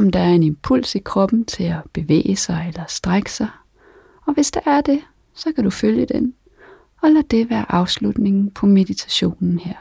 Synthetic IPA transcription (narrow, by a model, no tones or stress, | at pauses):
m̩d̥ɑ̈æɐe̝nempʰul̰sikʰʁɒ̽b̥n̩t͡sʰe̝læb̥e̝ʋḛːəsɑ̈ɪelɐsd̥ʁaɡ̥ə̥sɑ̈ɪ | ɒ̽ʋe̝sd̥ɑʔæɐd̥e̝ | sɒ̽kʰæɾ̥uføljəd̥en | ɒ̽læd̥e̝ʋæːɐʔɑ̈ʊslud̥ne̝ŋn̩pʰɒ̽me̝dit͡sʰæ̥ɕo̝̰ːnn̩heɐ̰